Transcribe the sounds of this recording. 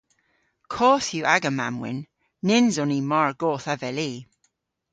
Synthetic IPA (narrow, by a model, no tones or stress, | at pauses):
kʰoːθjuːʔaɡəmamwɪ̰nː | ɪnzɔniːmaɹɡoːθavɛliː